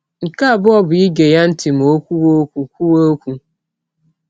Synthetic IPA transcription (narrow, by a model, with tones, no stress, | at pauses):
ŋ̩˨ka˦a˨bʊ˦ɔ˦bʊ˨i˦ɡe˨ja˦n̩˦tɪ˨m̩˨o˦kʷu˦wo˦kʷu˨kʷu˦wo˦kʷu˦